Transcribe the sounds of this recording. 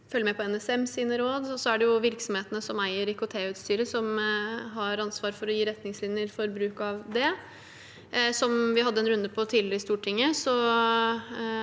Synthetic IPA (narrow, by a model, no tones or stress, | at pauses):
fœlːəmæpʰɔɛnɛsɛmsiːnəɾoːd̪ɔsɔæɖɛjʊʋɪɾksɔmheːt̪ənəsɔmæɪəɾɪkʊt̪ʰeːʉːt̪st̪yːɾəsɔmɦɑɾɑnsʋɑːɾfɔɾɔjiːɾɛt̪nɪŋslɪnjəɾfɔɾbɾʉːkɑʋd̪ɛ | sɔmʋɪhɑd̪ːəɛnɾʉnd̪əpʰɔt̪ʰɪːlɪst̪uːʈʰɪŋːəsɔ